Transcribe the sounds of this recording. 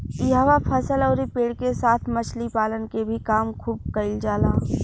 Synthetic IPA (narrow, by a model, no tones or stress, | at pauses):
iɦaʋapʰɐsəlɔʊɾipeːɽkesaːt̪ʰmɐt͡ʃʰlipaːlənkebʱikaːmkʰuːb̚kɐɪld͡ʒaːlaː